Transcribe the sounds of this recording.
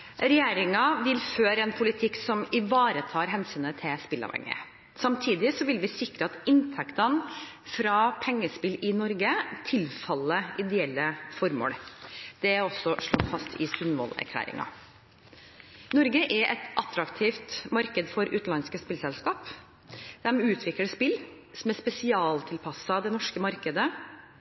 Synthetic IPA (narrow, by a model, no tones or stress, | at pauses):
ɾɛjæːɾɪŋɑʋɪlføːɾɛnpʰʊlɪt̪ʰɪksɔmɪʋɑːɾət̪ʰɑːɾɦɛnsyːnət̪ʰɪspɪlːɑ̰ʋhɛ̰ŋːə̰ | sɑmt̪ʰiːd̪ɪsɔʋɪlʋɪsɪkɾəɑt̪ɪnt̪ʰɛkt̪ɑn | fɾɑːpʰɛŋːəspɪlɪnɔɾɡət̪ʰɪlfɑlːəʔɪd̪ɛɛlːəfɔɾmo̰ːɽd̪̥ɛæɾɔsɔʂɭo̰ːfɑst̪ʰɪsʉnʋɔ̰læ̰ɾkʰlæ̰ːɾɪ̰ŋɑ̰ | nɔɾɡəʔɛɾʔɛt̪ʔɑt̪ɾɑkt̪ʰiːft̪mɑɾkəd̪fɔɾʉ̰ːt̪nɑnskəspɪlsɛlskɑːp | d̪̥ɛmʉːt̪ʰʋɪkləspɪl | sɔmɛspɛsɪɑːlt̪ʰɪlpʰɑsːɑd̪ɛnɔʂkəmɑɾkəd̪ə